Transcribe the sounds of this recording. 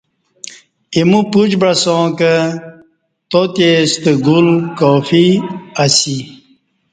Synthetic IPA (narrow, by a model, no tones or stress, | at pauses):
imupud͡ʑbɾɐsõːkə | t̪ot̪est̪əɡulkoːfiasi